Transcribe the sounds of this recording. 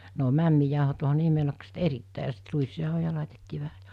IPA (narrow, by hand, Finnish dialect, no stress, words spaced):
ne o mæmːijɑˑohot oɦɑ ne imelokset eritːæˑi jɑ sit ruisjɑˑohojɑ lɑˑitetːiː ʋæhæ